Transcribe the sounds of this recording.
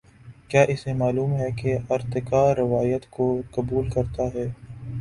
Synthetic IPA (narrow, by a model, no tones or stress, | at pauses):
kjaːʔɪsemaːluːmɦɛkeɐɾt̪ɪkaɾɪʋaːjət̪kokɐbuːlkɐɾt̪aɦɛː